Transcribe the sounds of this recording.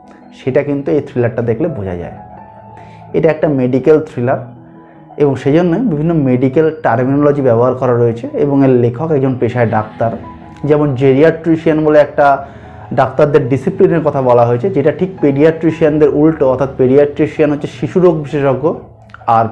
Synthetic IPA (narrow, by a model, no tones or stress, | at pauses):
ʃeʈakint̪uejt̪ʰɾilaɾʈad̪ekʰlebod͡ʑʱa̰d͡ʑa̰e | eʈaɛk̚ʈameɖikelt̪ʰɾilaɾ | eboŋʃed͡ʑonːebibʱinːomeɖikelʈaɾminolod͡ʑibɛboɦaɾkɔɾaɾoet͡ɕʰeeboŋeɾlekʰokɛk̚d͡ʑonpeʃaeɖakt̪aɾ | d͡ʑɛmond͡ʑeɾiaʈɾiʃianboleɛk̚ʈa | ɖakt̪aɾd̪eɾɖisiplineɾkɔt̪ʰabɔlaɦoet͡ɕʰed͡ʑeʈaʈʰik̚peɖiaʈɾiʃiand̪eɾʔulʈoɔt̪ʰːat̪peɖiaʈɾiʃianɦoːɕʰeʃiʃuɾoɡ̚biʃeʃoɡːo | aɾ